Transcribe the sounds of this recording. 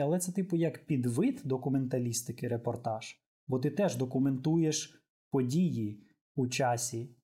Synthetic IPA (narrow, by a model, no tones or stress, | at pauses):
ɐlˠɛt̪sɛt̪ɪpʊjɐkpʲid̪ʋɪt̪d̪ɔkʊme̞nt̪ɐlʲist̪ɪkɪɾepɔrt̪ɑʒ̥ | bɔt̪ɪt̪ɛʒd̪ɔkʊme̞nt̪ujeʃ | pɔdʲiji | ut͡ʃɑsʲi